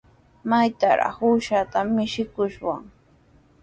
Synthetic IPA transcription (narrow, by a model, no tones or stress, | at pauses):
majt̪aɾa̰χuːʃat̪amɪʃɪkʊʃwa̰ŋ